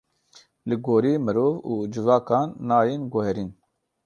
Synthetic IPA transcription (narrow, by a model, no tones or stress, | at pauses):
lɨɡoːɾiːmɨɾoːvuːd͡ʒɨvɑːkɑːnːaːjeːnɡʊhɛɾiːn